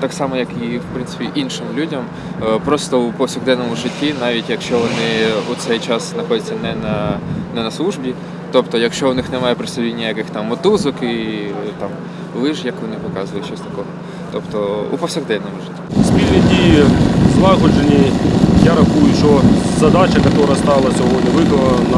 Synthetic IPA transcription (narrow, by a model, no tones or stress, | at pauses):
t̪ɑksɑmɔjɐkiwpɾɪnsɪ̥pʲiʔinʃɪmlʲudʲɐm | pɾɔst̪ɔupɔwsʲɐɣd̪ɛnɔmʊʒɪtʲːinɑʋʲitʲjɐkʃt͡ʃɔʋɔnɪut̪sɛjt͡ʃɑsznɐxɔdʲɐtʲt͡sʲːɐnɛnɐnɛnɐslˠuʒbʲi | t̪ɔpt̪ɔjɐkʃt͡ʃɔʋnɪxnɛmɑjʊpɾɪst̪ɐlʲinʲːɐjɐkɪxt̪ɑmːɔt̪uzɔkit̪ɑm | lˠɪʒjɐkʋɔnɪpɔkɑzʋʊjʊt͡ʃɔsʲt̪ɐ̥kɔɦɔ | t̪ɔpt̪ɔṵpɔwsʲɐɣd̪ɛwnɔmʊʒɪtʲːisʲpʲilʲnʲidʲijizlˠɑɦɔd͡ʒenʲijaɾɐxujʊʃɔzɐd̪at͡ʃɐkɐt̪ɔɾɐst̪ɑlˠɐsʲɔɦɔdʲnʲiʋɪkɔnɐ | nɐ